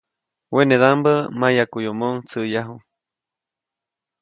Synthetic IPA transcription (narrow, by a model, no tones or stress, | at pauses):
weneðambəmajakujomoŋt͡sɨjaɦu